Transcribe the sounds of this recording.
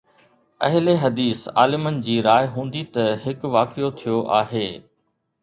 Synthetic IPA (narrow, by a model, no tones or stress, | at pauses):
ɐ̰ɦɪleɦɐd̪iːsa̰ːlɪmənɪ̆d͡ʑiːɾaːɪɦũːnd̪it̪ɐhɪkʋaːkijot̪ʰijoʔaːɦeː